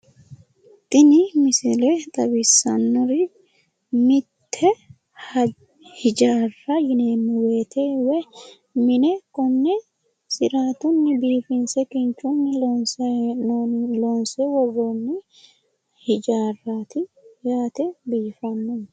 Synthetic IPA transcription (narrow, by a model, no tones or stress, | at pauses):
t̪ʼɪnɪmɪsɪlet̪ʼɐbɪsːɐnːɔɾɪ | mɪt̪ʰːɛ | h | hɪd͡ʒaːrːɐjɪneːmːɪweːt̪ʰeːwɛ | mɪnɛkɔnːɛ | sɪɾaːt̪ʊnːɪbiːfɪnsɛkɪnt͡ʃːʊnːɪnː | loːnsɛwɔɡonːɪ | hɪd͡ʒaːrːaːt̪ɪjaːt̪ɛbiːfɐnːʊn